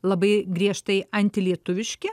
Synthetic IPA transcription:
lˠɐbɐɪɡɾʲiɛʃt̪ɐɪɐnʲt̪ʲɪlʲiɛt̪ʊʋʲɪʃʲkʲɪ

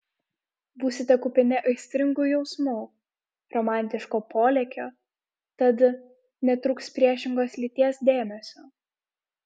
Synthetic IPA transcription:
buːsʲɪt̪ʲɛkʊpʲɪnʲɛʔɐɪsʲt̪ʲɾʲɪŋɡujɛʊsmuː | ɾɔmɑˑnʲt̪ʲɪʃkoːpoːlʲɛkʲoː | t̪ɐt̪ | nʲɛt̪ɾʊkspʲɾʲiɛʃʲɪŋɡoːslʲit̪ʲiɛsd̪ʲeːmʲɛsʲoː

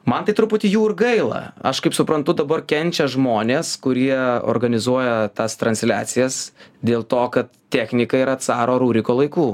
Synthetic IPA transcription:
mɐnt̪ɐɪt̪ɾʊpʊt̪ʲɪjuːɪɾɡɐɪlˠɐ̰ɐ̰ʃkɐɪpsʊpɾɐnt̪ʊd̪ɐbɐrkʲɛnʲt͡ʃʲɛʒmoːnʲeːskʊɾʲiɛo̰ːrɡɐnʲɪzuɔjɛt̪ɑːst̪ɾɐnʲsʲlʲæ̰ːt̪sʲɪjɛsd̪ʲeːlˠt̪oːkɐt̪t̪ʲæːxʲnʲɪkɐiɾɐt̪sɑːɾoːɾuːɾʲɪkoːlˠɐɪkuː

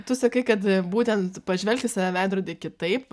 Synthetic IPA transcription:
t̪ʊsɐkɐɪkɐt̪buːt̪ʲɛnt̪pɐʒʲʋʲɛlʲkt̪ʲɪsɑʋʲæʋʲæɪd̪ɾoːd̪ʲeːkʲɪt̪ɐɪp

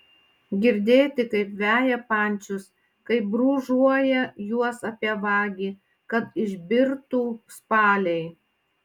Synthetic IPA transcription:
ɡʲɪɾʲd̪ʲeːt̪ʲɪkɐɪpʋʲæːjɛpɑˑnʲt͡ʃʲʊs | kɐɪp̚bɾuːʒuɔjɛjuɔsɐpʲiɛʋɑːɡʲiː | kɐt̪ɪʒʲbʲɪɾt̪uːspɑːlʲɛɪ

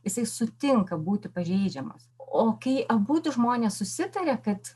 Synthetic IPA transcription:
jɪsɐɪsʊt̪ʲɪŋkɐbuːt̪ʲɪpɐʒʲɛɪd͡ʒʲɛmɐ̰soːkɐɪʔɐbuːt̪ʲʊʒmoːnʲeːssʊsʲɪt̪ɐɾʲɛkɐt̪

